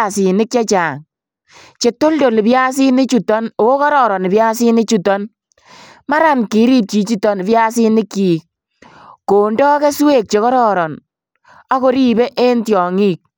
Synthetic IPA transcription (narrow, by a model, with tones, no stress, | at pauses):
sɪ˨nɪ˦kt͡ʃa˦t͡ʃa˨ŋ | t͡ʃe˨to˦ldo˨lpja˦s̬i˦nɪ˦t͡ʃu˨tɔ˦no˨o˦kɔ˦ɾɔ˨ɾɔ˨n˨pja˦si˦nɪ˦t͡ʃu˦tɔ˦n | ma˦ɾa˨nki˨˦ɾi˦p̚t͡ʃi˨t͡ʃi˦tɔ˦npja˦si˦nɪ˦kːiː˨ | ko˨ndɔː˦ke˦swe˦˨k̚t͡ʃe˨kɔ˦ɾɔː˦ɾɔ˨n | ɔ˦ko˦ɾi˦be˦ʔe˦ntjɔ˨ŋi˦˨k̚